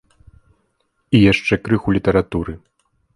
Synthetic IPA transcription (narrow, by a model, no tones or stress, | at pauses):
ijaʂt͡ʂɛkɾɨxulʲit̪ɐɾat̪uɾɨ